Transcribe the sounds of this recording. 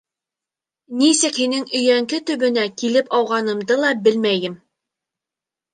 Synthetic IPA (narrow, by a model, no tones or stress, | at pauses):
nisɘkhinɘŋɵ̆jæŋkɘt̪ɵ̆βɵ̆nækilɘpɑwʁɑnɤ̆md̪ɤlˠɑbɘlmæjɘm